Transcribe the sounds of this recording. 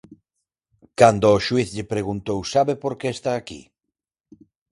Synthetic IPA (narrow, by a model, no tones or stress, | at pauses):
kand̪oːʃwiθʎɪpɾeɣunt̪owsaβepoɾkeːst̪aːkḭ